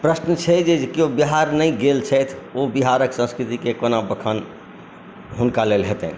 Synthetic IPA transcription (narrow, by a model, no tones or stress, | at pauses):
pɾəsnət͡ʃʰɛd͡ʒeekiobiɦaɾnəĩɡelt͡ʃʰɛt̪ʰobiɦaɾəksə̃nskɾit̪ikekonabəkʰən | ɦunkalelɦet̪ɛ̰̃